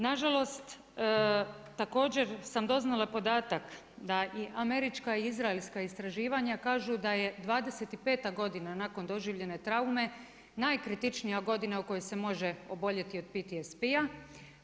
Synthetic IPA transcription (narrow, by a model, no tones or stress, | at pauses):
naʒalˠo̞st̪ː | t̪ako̞ːd͡ʑe̞ɾsamd̪o̞znalapo̞d̪aːt̪ak | d̪aʔiʔame̞ɾit͡ʃkaiizɾaelskaist̪ɾaʒiːʋaɲakaːʒud̪aje̞d̪ʋaːd̪eset̪ipe̞ːt̪aɡo̞d̪inanako̞nd̪o̞ʒiːʋʎe̞ne̞t̪ɾaume̞ | najkɾit̪it͡ʃnijaɡo̞d̪inauko̞jese̞mo̞ʒeo̞bo̞ʎe̞t̪io̞d̪̚pit̪iespija